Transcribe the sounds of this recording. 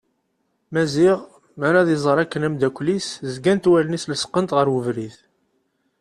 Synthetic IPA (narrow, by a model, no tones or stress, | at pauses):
mæziʁ | maɾaðizˤəɾˤækːənæmd̪ækʷliszɡænt̪wælnisləsqːənt̪ʁəɾwəvɾiθ